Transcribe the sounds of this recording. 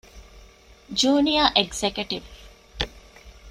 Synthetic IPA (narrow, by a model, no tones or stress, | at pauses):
d͡ʒuːnijaʔeɡzekjuʈiʋ